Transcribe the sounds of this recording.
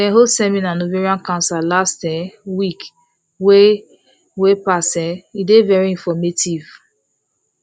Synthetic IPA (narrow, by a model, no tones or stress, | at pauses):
kɛ̃nɦodsɛminanoviɹiãnkãnsalastɛwik | we | wepasɛidevɛɹiĩnfɔmetʰiv